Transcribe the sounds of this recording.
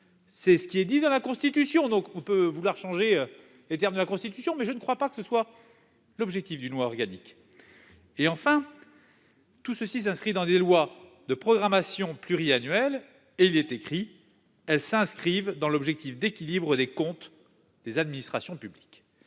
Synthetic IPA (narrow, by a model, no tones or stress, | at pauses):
sɛsə̥kʲiɛd̪id̪ɑ̃lakɔ̃st̪it̪ysjɔ̃d̪ɔ̃kɔ̃pøvulwaʁʃɑ̃ʒeø | let̪ɛʁmd̪əlakɔ̃st̪it̪ysjɔ̃mɛʒənəkχwapakəsəswa | lɔbʒɛk̚t̪ifd̪ynlwaɔʁɡanik | eɑ̃fɛ̃ | t̪usəsis̬ɛ̃skχid̪ɑ̃d̪elwa | d̪əpχɔɡʁamasjɔ̃plyʁianɥɛl | eilɛt̪ekχi | ɛlsɛ̃skχivd̪ɑ̃lɔbʒɛk̚t̪ifd̪ekʲilibʁəd̪ekɔ̃t̪ | d̪̥ezad̪minist̪χasjɔ̃pyblik